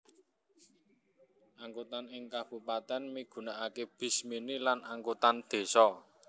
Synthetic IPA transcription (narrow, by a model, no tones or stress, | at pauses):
ʔaŋkut̪anɪŋkab̥ṳpat̪ɛnmiɡ̥ṳnaʔakeb̥i̤sminilanaŋkut̪and̪̥e̤sɔ